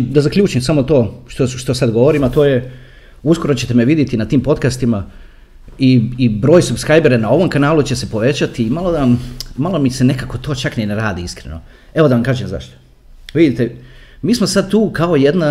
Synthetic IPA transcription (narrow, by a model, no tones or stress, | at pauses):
d̪azakʎʲuːt͡ʃimsamo̞t̪o̞ːʃt̪oʃt̪o̞sad̪ɡo̞ʋo̞ɾimat̪o̞ːje | usko̞ɾo̞t͡ɕe̞t̪e̞meʋid̪jet̪inat̪iːmpo̞t̪kast̪ima | iibɾoːjsubskɾajbeɾenao̞ʋo̞mkanaːlut͡ɕese̞po̞ʋe̞t͡ɕat̪iːmalˠo̞d̪amalˠo̞mise̞ne̞kako̞t̪o̞ːt͡ʃakneneɾaːd̪iiskɾḛno̞̰ | e̞ʋod̪aʋamkaːʒemza̰ʃt̪o̥ | ʋid̪it̪emiːsmosad̪̚t̪uːkao̞je̞d̪na